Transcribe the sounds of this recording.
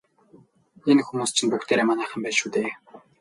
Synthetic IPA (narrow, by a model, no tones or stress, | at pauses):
enxumuːst͡ɕʰĭnpukt̪eːɾeːmanæːχə̆mpæːʃuːt̪eː